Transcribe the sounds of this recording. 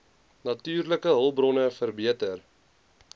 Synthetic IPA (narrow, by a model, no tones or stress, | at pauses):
nɐtyːrləkəɦəlˠbrɔnəfərbiətər